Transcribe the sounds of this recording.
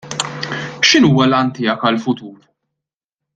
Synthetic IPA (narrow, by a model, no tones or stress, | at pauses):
ʃɪnuːwɐlɐnt̪ɪːɐkɐlfʊt̪uːɾ